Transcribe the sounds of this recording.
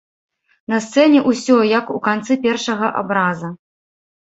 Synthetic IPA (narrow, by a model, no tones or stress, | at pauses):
nɐst̪sɛnʲɛʔusʲɔjɐkukant̪sɨpʲɛrʂɐɣɐʔa̰bɾazɐ